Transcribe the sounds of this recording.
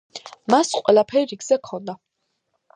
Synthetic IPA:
masqʼwɛlˠapʰɛɾiɡz̥ɛkʰɔnd̪a

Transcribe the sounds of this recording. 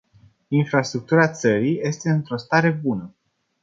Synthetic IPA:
infɾast̪ɾuk̚t̪uɾat̪səɾijje̞st̪e̞ɨnt̪ɾo̞st̪aɾe̞bunə

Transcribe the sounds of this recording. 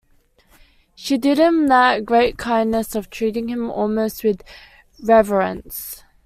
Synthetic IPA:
ʃidɪdhɪ̃mðət̚ɡɹeɪt̚kʰãɪ̃ndnəsɔv̥tʰɹ̥iɾɪ̃ŋhɪ̃mɔ̰lmoʊst̚wɪð | ɹɛvəɹə̰̃ns

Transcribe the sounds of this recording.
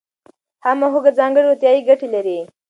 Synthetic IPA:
hamaɦuɡad͡zɑŋɡəɽot̪jɑiɡaʈilaɾi

